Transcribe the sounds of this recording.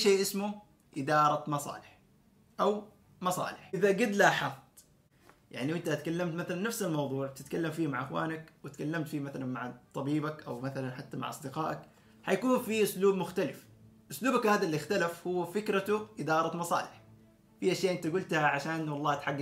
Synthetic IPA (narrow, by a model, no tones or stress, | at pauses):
ʃeːʔɪsmʊ | ʔɪd̪ɑːɾˤɑmɑsˤɑ̰ːlɪħ | ʔaw | mɑsˤɑ̰ːlɪħɪðaɡɪd̪laħɑt̪ˤ | ja̰ʕniwɪnt̪at̪kalːamt̪maθalanːafsalmɑwðˤuːʕ̚t̪ɪt̪kalːamfiːmaʕʔɪxwa̰ːnakwɪt̪kalːamt̪fiːmaθalanmaʕt̪ˤːɑbiːbakʔawmaθalanħat̪ːama̰ʕʔɑsˤd̪ɪqɑːʔak | ħajakuːnfiʔʊsluːbmʊxt̪alɪf | ʔʊsluːbakhaːd̪alːixt̪alafhʊwːfɪkɾat̪ʊʔɪd̪ɑːɾˤɑt̪mɑsˤɑ̰ːlɪħ | fiʔaʃjaːʔɪnt̪aɡʊlt̪haʕaʃaːnʔɪnːwɑlˤːɑːt̪ħaɡːa